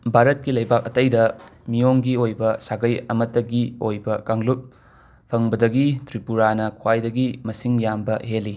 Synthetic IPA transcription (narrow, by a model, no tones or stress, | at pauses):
bʱaɾɐt̚kilɐjbak̚ɐtɐjdɐmijoŋɡiojbɐsaɡɐjɐmɐtːɐɡiojbɐkaŋlup̚ | pʰɐŋbɐdɐɡitɾipuɾanɐkʰwajdɐɡimɐsiŋjambɐɦelːi